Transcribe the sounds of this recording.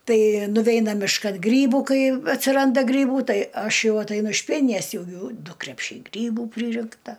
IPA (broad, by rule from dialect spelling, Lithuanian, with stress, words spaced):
ˈtɐɪ nʊˈʋʲɛɪnɐ mʲɪʃˈkɐn ˈɡrʲiːbʊ ˈkɐɪ ɐtʲsʲɪˈrɐndɐ ˈɡrʲiːbuː ˈtɐɪ ˈɐʃ ˈjɛʊ ɐtɐɪˈnʊ ɪʃ ˈpʲiɛnʲɪnʲɛs ˈjɛʊ ˈjuː ˈdʊ krʲɛpʲˈʃʲɛɪ ˈɡrʲiːbuː ˈpʲrʲiːrʲɪŋktɐ